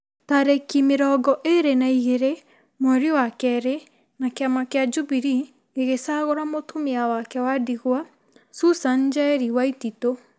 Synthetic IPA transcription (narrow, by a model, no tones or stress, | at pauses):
taɾekimeɾɔɡɔʔeɾenaiɣeɾe | mwɛɾiwakɛɾe | nakeamakead͡ʒubiɾi | eɣesaɣoɾamotʰomeawakɛwadiɣwa | susand͡ʒaɾiwaitito